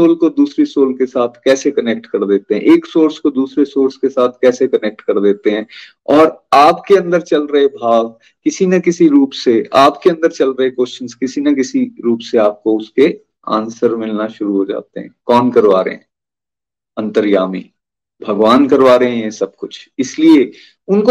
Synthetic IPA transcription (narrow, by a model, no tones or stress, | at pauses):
oːlkod̪uːsɾisoːlkesaːt̪ʰkɛːsekɐnek̚ʈkɐɾd̪eːt̪eɦɛ̰̃ʔeːksoːɾskod̪uːsɾesoːɾskesaːt̪ʰkɛːsekɐneːk̚ʈkɐɾd̪eːt̪eɦɛ̃ː | ɔːɾaːpkeɐ̃nd̪əɾt͡ʃɐlɾɐɦebʱaːɡ | kɪsinɐkɪsiɾuːpseaːpkeɐ̃nd̪əɾt͡ʃɐlɾɐɦekwost͡ʃənskɪsinɐkɪsiɾuːpseaːp̚koʊske | ã̰ːnsəɾmɪlnaʃʊɾuɦod͡ʒa̰ːt̪eɦɛ̰̃ːkɔːnkɐɾʋaːɾḛɦɛ̰̃ː | ɐ̃nt̪əɾjaːmḭː | bʱɐɡʋaːnkɐɾʋaːɾeɦɛ̃esɐb̚kʊt͡ʃʰɪslie | ʊnko